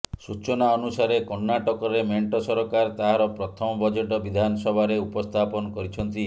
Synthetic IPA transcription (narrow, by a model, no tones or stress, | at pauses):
sut͡ʃɔnaɔnusaɾekɔnːaʈɔkɔɾemeɳʈɔsɔɾɔkaɾt̪aɦaɾɔpɾɔt̪ʰɔmɔbɔd͡ʒeʈɔbid̪ʱanɔsɔbʱaɾeupɔst̪ʰapɔnɔkɔɾit͡ʃʰɔnt̪i